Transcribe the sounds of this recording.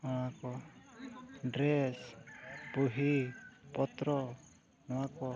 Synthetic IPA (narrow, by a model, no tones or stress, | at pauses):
ɔakɔ | ɖɾespuɦipɔt̪ɾɔ | nɔwakɔ